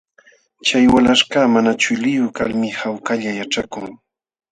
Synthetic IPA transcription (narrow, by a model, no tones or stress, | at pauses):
t͡ʃajwalaʃkaːmanat͡ʃʊlɪjʊka̰lmɪhawkaʎajaʈ͡ʂakʊŋ